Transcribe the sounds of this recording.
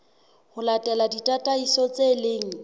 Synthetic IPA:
hʊlatʼɛladitʼatʼaisɔt͡seleːŋ̩

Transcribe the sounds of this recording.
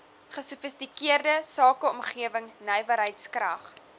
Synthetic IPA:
χəsufəstikiərdəsɑːkəɔmχiəvəŋnɛjvəɾɦəjtskrɐ̰χ

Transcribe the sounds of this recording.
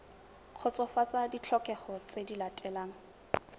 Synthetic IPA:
q͡χʰɔt͡sɔfat͡sadit͡ɬʰɔkɛχɔt͡sʼedilatʼɛlaːŋ̩

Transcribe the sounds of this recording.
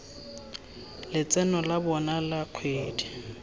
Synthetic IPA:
lɪt͡sʼɛnɔlabɔnalaq͡χʰweːdi̥

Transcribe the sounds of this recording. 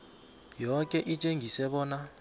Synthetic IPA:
jɔkʼɛʔit͡ʃʼeŋɡʱisɛɓɔːna

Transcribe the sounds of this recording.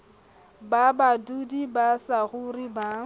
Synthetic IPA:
babadudibasaɣʊriba

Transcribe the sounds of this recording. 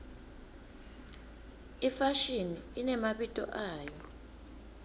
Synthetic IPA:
ifaʃiniinɛmaɓitʼɔ̰ʔaːjɔ

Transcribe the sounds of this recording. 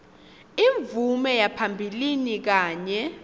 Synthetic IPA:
iɱvumɛjapʰambʱilinik̬aːɲɛ

